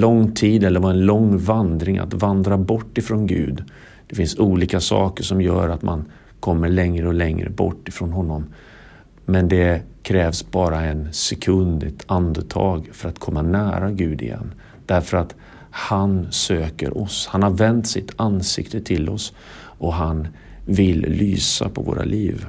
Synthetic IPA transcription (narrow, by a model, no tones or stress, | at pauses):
lɔŋt̪ʰiːd̪ɛlːəɾvaɾɛnlɔŋːvand̪ɾɪŋʔa̰t̪vand̪ɾabɔʈːɪfɾɔnɡʉ̟̰ːd̪ | d̪̥ɛfɪnsuːliːkasɑ̰ːkəʂɔmjœ̰ːɾat̪man | kʰɔmːəɭɛŋɾəɔlɛŋɾə̰bɔ̰ʈːɪfɾɔnɦɔnːɔm | mɛnd̪ɛkʰɾɛːvsbɑːɾaɛnsɛkʰɵnd̪ɪt̪ʰand̪ət̪ʰɑ̰ːɡfœɾat̪kʰɔmːanæːɾaɡʉ̟ːd̪ɪ̰jɛ̰nː | d̪̥æɾfœɾat̪ | hansøːkə̰ɾʔɔshanhaɾvɛnt̪sɪt̪ʰansɪkt̪ət̪ʰɪlɔs | ʔɔɦan | vɪllyːsapʰɔvo̰ːɾʔa̰lʔiːv